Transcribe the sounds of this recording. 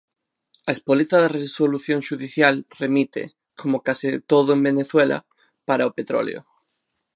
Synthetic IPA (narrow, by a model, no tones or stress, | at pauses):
ɐespolit̪aðaresoluθjõŋʃuðiθjalremit̪ḛ | kʰomokasit̪oðʊembeneθwela̰ | paɾaopet̪ɾo̰lj̰o̰